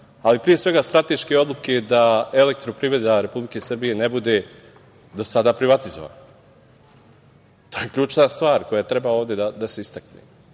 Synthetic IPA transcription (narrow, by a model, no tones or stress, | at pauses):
alipɾije̞sʋe̞ɡast̪ɾat̪e̞ʃke̞o̞d̪lˠuke̞d̪aele̞k̚t̪ɾopɾivɾe̞d̪aɾe̞publike̞sr̩bije̞nebud̪e̞ | d̪o̞sad̪apɾiʋat̪izo̞ʋa̰na | t̪o̞ːjekʎʲuːt͡ʃnast̪ʋaːɾko̞jat̪ɾebaoːʋd̪e̞d̪ad̪ase̞ist̪aknḛ